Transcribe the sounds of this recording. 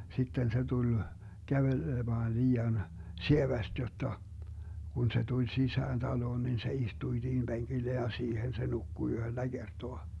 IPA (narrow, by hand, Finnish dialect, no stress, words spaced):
sitːen se tulʲ kæʋelemɑːn liːɑn sieʋæst jotːɑ kun se tulʲ sisæːn tɑloːn nin se istuĭ siːhim b̥eŋɡ̊ilːen jɑ siːhen se nukːu yhølːæ ɡ̊ertoɑ